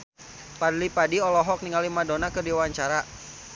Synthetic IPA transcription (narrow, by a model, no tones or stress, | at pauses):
padlipadiɔlɔɦɔk̚niŋalimadonakɨrdiwaɲt͡ʃaɾa